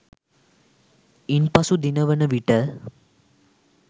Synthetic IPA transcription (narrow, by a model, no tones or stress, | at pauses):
inpɐsud̪inɐʋɐnɐʋiʈːɐ